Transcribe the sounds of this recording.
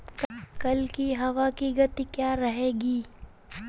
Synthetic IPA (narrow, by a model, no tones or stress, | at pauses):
kkɐlkiɦɐʋakiɡɐt̪ikjaːɾɐɦeːɡiː